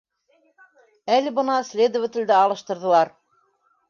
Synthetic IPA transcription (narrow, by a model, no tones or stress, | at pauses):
ælɘbɤ̆nɑslʲed̪ŏvɘ̆t̪ʲɘ̆ld̪æɑlˠɤ̆ʃt̪ɤ̆ɾðɤ̆lˠɑɾ